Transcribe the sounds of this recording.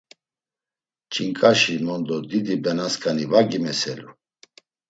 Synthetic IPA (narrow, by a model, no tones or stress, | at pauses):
t͡ʃʼʰiŋkʼaʃimɔnd̪ɔd̪id̪ibɛnaskʰʼanivaɡimɛsɛlu